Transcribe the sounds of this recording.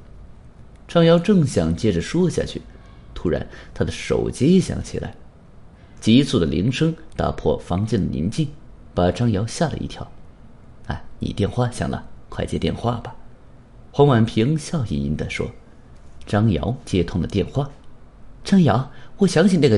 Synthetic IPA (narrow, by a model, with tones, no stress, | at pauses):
ʈ͡ʂɑ˥ŋjɑ˧˥ʊʈ͡ʂɤ˥˩ŋɕjɑ˨˩ŋt͡ɕjɛ˥ʈ͡ʂə˨ʂwɔ˥ɕja̰˥˧t͡ɕʰy̰˥˩ | t̪ʰu˥ɻa̰˧˥nt̪ʰa˥d̪ə˨ʂo̰˨˩ʊt͡ɕji˥ɕjɑ̰˨˩˥ŋt͡ɕʰḭ˨˩la̰˧˥ɪ | t͡ɕi˧˥t͡sʰu˥˩d̪ə˨lḭ˧˥ŋʂɤ˥ŋt̪a̰˨˧˩pʰwɔ̰˥˩fɑ˧˥ŋt͡ɕjɛ˥˩d̪ə˨nḭ˧˥nt͡ɕi˥˩ŋ | pa˨˩ʈ͡ʂɑ˥ŋjɑ˧˥ʊɕja˥˩lə̰˨˧ḭ˥˩t̪ʰjɑ˧˥ | a̰˥˩ɪnḭ˨˩t̪jɛ˥˧nxwa˥˩ɕjɑ̰˥˩ŋlʔə̰˧kʰwa˥˧ɪt͡ɕjɛ̰˥t̪jɛ˥˧nxwa˥˩b̥ɐ˩ | xwɑ˧˥ŋwa˨˩npʰi˧˥ŋɕjɑ˥˧ʊḭ˨˩ḭ˧˥nd̪ə˧ʂwɔ̰˥ | ʈ͡ʂɑ˥ŋjɑ̰˧˥ʊt͡ɕjɛ˥t̪ʰʊ˥˩ŋd̪ə˨t̪jɛ˥˧nxwa˥˩ | ʈ͡ʂɑ˥ŋjɑ˧˥ʊwɔ˨˩ɕjɑ˧˥ŋɕʰi˥˩na˥˩ɡə˧